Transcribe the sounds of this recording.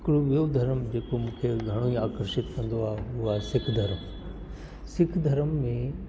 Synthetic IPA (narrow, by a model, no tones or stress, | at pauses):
ɪkɪɽoʋijod̪ʱɐɾəmd͡ʑeːkomũːkʰeɡʱɐɽ̃oiaːkəɾʃɪt̪kɐ̃nd̪oaːɦeʊɦaɦsɪkʰd̪ʱɐɾəm | sɪkʰd̪ʱɐɾəmːẽ